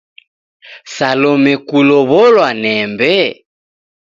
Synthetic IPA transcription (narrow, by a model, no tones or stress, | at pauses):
salɔmɛkulɔβɔlwanɛmbɛ